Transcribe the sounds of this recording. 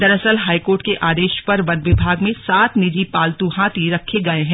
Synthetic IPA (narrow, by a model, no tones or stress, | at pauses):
d̪ɐɾəsəlɦaːikoːɾʈ̚keʔaːd̪eːʃpɐɾʋɐnʋɪbʱaːɡmẽsaːt̪nid͡ʒipaːlt̪uɦãːt̪iɾɐkʰeɡɐeɦɛ̃ː